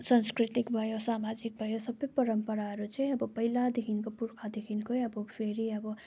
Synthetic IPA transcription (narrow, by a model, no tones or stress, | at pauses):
sanskɾit̪ikbʱʌjosamad͡zik̚bʱʌjosʌbʌjpʌɾʌmpʌɾaʌɾut͡sʌj̃ʌbʌpʌilad̪ekʰinkopuɾkʰad̪ekʰinkojʌbʌpʰeɾiʌbʌ